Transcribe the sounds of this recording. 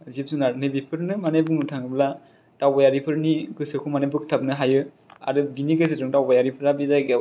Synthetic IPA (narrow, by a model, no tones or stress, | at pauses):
zip̚sunaɾnɯbipʰɯɾnɯmanebunutʰaŋɯbla | tawbajaɾipʰɯɾniɡɯsɯkʰumanebɯk̚tʰab̚nɯɦajɯ | a̰ɾɯbiniɡɯsɯdɯŋtawbajaɾipʰɯɾabizajɡa